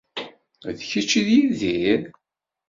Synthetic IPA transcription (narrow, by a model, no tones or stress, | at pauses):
ðçit͡ʃːiðjiðiɾ